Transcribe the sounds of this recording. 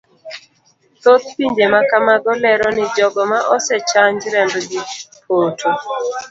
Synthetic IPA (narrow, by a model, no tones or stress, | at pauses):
t̪ot̪̚piɲd͡ʒemakamaɡɔlɛɾɔnɪd͡ʒɔɡɔmaʔɔsɛt͡ʃaɲd͡ʒɾɛndɔɡɪpʰotʰo